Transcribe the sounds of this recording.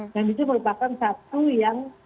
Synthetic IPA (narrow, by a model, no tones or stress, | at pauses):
dandit̪̬uməɾupakansat̪ujaŋ